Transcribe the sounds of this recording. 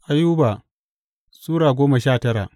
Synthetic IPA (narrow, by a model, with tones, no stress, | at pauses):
ʔa˦juː˦baː˨ | suː˦ɽaː˨ɡʷoː˦mɐ˨ʃaː˦˨tɐ˦ɽa̰˨ʔ